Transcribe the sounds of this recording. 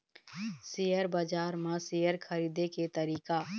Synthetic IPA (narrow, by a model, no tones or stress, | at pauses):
sijəɾbad͡ʒaːɾmãsijəɾkʰɐɾiːd̪eket̪ɐɾiːka